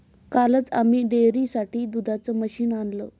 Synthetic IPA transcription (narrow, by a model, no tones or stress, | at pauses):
kalət͡sa̰miːɖeɾiːsaʈiːd̪ud̪ʱat͡səməɕiːnanlə